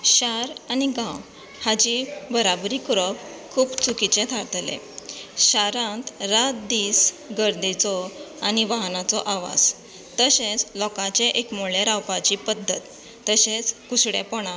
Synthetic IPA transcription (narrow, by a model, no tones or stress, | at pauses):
ɕaɾaniɡãw | had͡ʑibəɾabɾiːkɾɔpkʰuːpt͡sukit͡ɕẽt̪ʰaɾt̪lḛ̃ | ɕaɾãnt̪ɾat̪̚d̪iːs | ɡəɾd̪it͡sɔaniʋaɦnat͡sɔʔaʋa̰d͡z | t̪əɕet͡slɔkãt͡ɕeʔekmuɭeɾawpat͡ɕipəd̪ʱːət̪ː | əɕet͡skuɕɽḛpɔɳ̃a